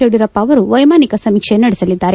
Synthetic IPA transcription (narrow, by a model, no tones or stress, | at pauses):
eɽiɾɐpːɐːʋɐɾuʋɐjmaːnikɐsɐmikʂenɐɽɛsɐlid̪ːaːɾe̞